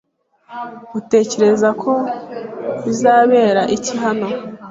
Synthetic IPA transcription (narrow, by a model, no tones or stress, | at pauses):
ute̞ːce̞ɾe̞zakʰo̞ | βizaːβe̞ːɾaʔiciɦano̞